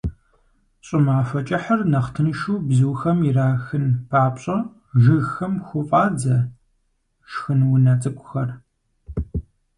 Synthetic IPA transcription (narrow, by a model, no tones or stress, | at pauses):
ɕʼɪmaːfɐt͡ʃʼɐħɐrnɐχtʰɨnɨʃuːbzɨwxɐmjɪraːxɨnpʰaːpɕʼɐ | ʒɨxɐmxʷʊfʼaːd͡zɐ | ʃxɨnwʊnɐt͡sʼɨkʷʰʼʊxɐr